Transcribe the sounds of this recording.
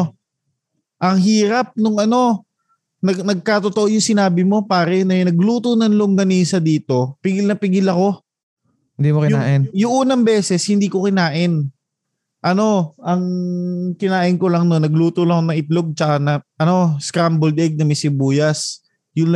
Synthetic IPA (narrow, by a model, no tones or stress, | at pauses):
ʔɐŋɦiːɾɐp̚nʊŋʔɐno̞ | nɐɡnɐɡ̚kat̪o̞t̪oʔo̞jʊŋsɪnaːbɪmo̞paːɾɛnɐnɐɡ̚luːt̪unɐnloŋɡ̪ɐniːsɐd̪iːt̪o̞pɪɡɪlnɐpɪɡɪlɐko̞ | hɪnd̪iːmokɪjʊaːʔɪnjʊŋʔuːnɐŋbɛːsɛshɪnd̪iːko̞kɪnaːʔɪn | ʔɐno̞ʔɐŋkɪnaːʔɪnko̞lɐŋnonːɐɡluːt̪ʊlɐŋoŋnɐʔɪp̪loɡ̚t͡ʃɐkanɐʔɐno̞skɾambold̪ʔɛɡ̚nɐmɪsɪbuːjɐs | jʊnl